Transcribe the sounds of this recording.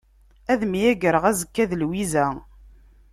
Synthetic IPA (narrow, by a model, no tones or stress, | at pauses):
æðmijæɡəɾəʁæzəkːæðəlwizæ